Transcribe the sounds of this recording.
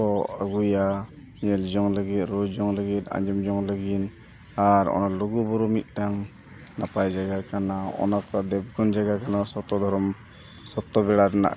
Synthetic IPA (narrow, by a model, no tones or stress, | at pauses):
ɔaɡuja | ɲɛld͡ʒɔŋləɡit̪̚ˀɾɔd͡ʒɔŋləɡit̪̚ˀa̰ɲd͡ʒɔmd͡ʒɔŋləɡin | aɾɔ̰naluɡubɔɾumit̪̚ˀʈaŋ | napajd͡ʒaɡakanaɔ̰nakɔd̪ɛb̚ɡɔnd͡ʒaɡakanasɔt̪ːɔd̪ʱɔɾɔm | sɔt̪ːɔbɛɽaɾana̰ʔ